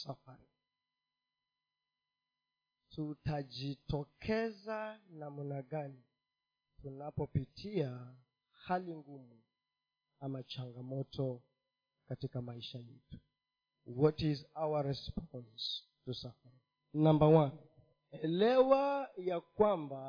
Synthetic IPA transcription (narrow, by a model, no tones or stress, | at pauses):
safaɾi | tutad͡ʒitɔkʰɛzanamunaɠani | tunapɔpitʰia | haliŋɡumu | amat͡ʃaŋɡamɔtʰɔ | katikamaiʃajɛtu̥ | wɔtizawaɹɛspɔns | tusafaɾi | nambawan | ɛlɛwajakwamba